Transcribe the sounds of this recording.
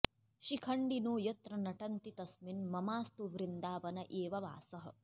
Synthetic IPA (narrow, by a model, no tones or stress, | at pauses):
ʃikʰɐɳɖinoːjɐt̪ɾɐnɐʈɐnt̪it̪ɐsminmɐmaːst̪uʋɾind̪aːʋɐnɐʔeːʋɐʋa̰ːsɐɦɐ̆